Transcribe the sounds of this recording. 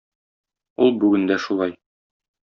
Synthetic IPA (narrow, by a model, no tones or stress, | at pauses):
ulˠbʉɡɘ̆nd̪æʃulˠɑj